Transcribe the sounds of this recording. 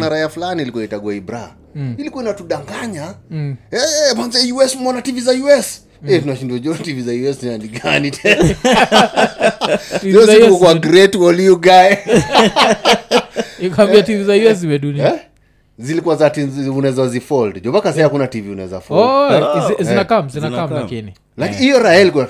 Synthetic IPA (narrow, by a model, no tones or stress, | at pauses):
naɾaiafulaniːlikuaitaɡwaibɾa | ilikuainatuɗaŋɡaɲa | ɛpanzajuɛsmɔnativizajuɛs | ɛtunaʃinduad͡ʒɔtivizajuɛsnandiɡanitʰɛn | iziɔzikɔkwaɡɾɛtwaliuɡaɛ | kaambiativizajuɛs̬iwɛɗuniɛ | zilikuazatiunɛzazifɔldd͡ʒɔβakasɛakunativiunɛ̰za̰fɔɔ | zinakamzinaamlakini | lakijɔɾaɛliku